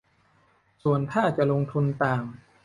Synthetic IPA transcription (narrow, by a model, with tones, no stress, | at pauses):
su˨˩ənt̪ʰaː˥˩t͡ɕa˨˩lo˧ŋt̪ʰu˧nt̪aː˨˩m